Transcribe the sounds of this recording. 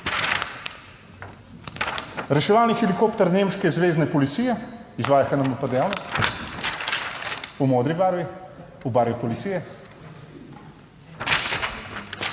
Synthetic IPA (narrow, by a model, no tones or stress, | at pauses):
ɾɛʃɛʋaːlnixɛlikoːpt̪ɛɾneːmʃkɛzʋeːznɛpɔlit̪sijɛizʋaːjaxanamɔpad̪ɛjawnɔst̪ | umoːd̪ɾibaːɾʋi | ubaːɾʋipɔlit̪siːjɛ